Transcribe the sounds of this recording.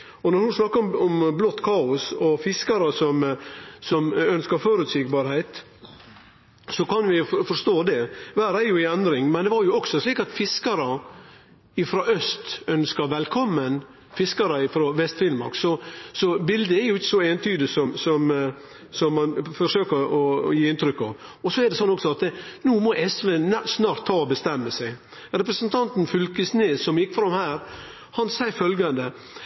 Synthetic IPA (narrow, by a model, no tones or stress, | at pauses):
ɔnɔɾhʊnsnɑkːəɔmɔmblɔt̪ːkʰɑːʊsɔfɪskɑɾəsɔmsɔmœnskəɾføːɾʉt̪siːɡbɑːɾhæɪt̪ | sɔkɑnʋɪfɔʂt̪oːd̪ɛʋæːɾæɾjʊɪɛnd̪ɾɪŋmɛnd̪ɛʋɑɾjʊɔksɔsliːkɑt̪fɪskɑɾə | ɪfɾɑːʔœst̪œnskəɾʋɛlkʰɔmːən | fɪskɑɾəɪfɾɑːʋɛst̪fɪnəmɑ̰ɾksɔsɔbɪld̪əɛɾjʊɪçːsɔeːnt̪ʰyːd̪əsɔmsɔm | sɔmːɑnfɔʂøːkəɔjiːɪnt̪ʰɾʏkːɑ̰ʋ | ɔsɔɛɾd̪ɛsɔnːɔksɔɑt̪nuːmɔʔɛsʋesnɑːɾt̪ʰːɑːɔbəst̪ɛmːəsæɪ | ɾɛpɾəsənt̪ʰɑnt̪nfʏlkəsneːsɔmjɪkːfɾɑmhæːɾ | hɑnsæɪfœlɡɑnd̪ə